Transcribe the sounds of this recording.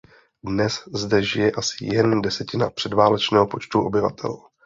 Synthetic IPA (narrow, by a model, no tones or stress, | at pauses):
dnɛszdɛʒɪjɛʔasɪ̥jɛndɛsɛcɪnapr̥ɛdvaːlɛt͡ʃnɛːɦopo̞t͡ʃt̪uʔo̞bɪva̰t̪ʰɛ̰l